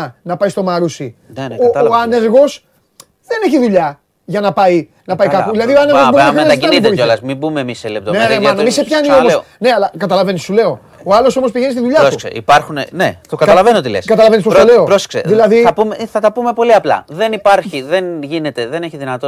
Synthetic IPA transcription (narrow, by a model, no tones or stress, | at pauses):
nɐpɐjst̪o̞mɐɾusinnoːɐneɾɣo̞s | ðe̞ne̞çiðuʎɐ | ʝɐnɐpɐi | nɐpɐikɐpuðilɐðioɐneɣɣoboɐxɾiɐzɐniip̪oiolɐsmibumeːmiselep̚t̪oneemɐnemisepçɐnio̞mos | ne̞ɐlɐkɐt̪ɐlɐve̞nisule̞o̞ | oɐlo̞so̞mospiʝe̞nist̪iðuʎɐossḛḭpɐɾxunḛnet̪okɐtkɐlɐvenot̪ilḛskɐt̪ɐlɐvenispoɾoule̞opɾosksḛðilɐðiɐpumeθɐt̪ɐpumepo̞liɐplɐ̰ðe̞nipɐɾçiðenʝine̞t̪eðeneçiðinɐt̪o